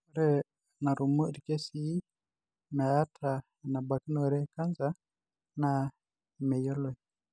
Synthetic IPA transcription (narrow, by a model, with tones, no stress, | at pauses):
ɾɛ˦ | na˨ɾu˨mo˦ɾi˨kɛ˦si˦i˦ | na˨a˦tɾa˨ | na˨ba˨ki˦nɔ˦˨ɾɛ˦ka˦nza˦ | na˦˨ | mɛ˨jɔ˦lɔ˦˨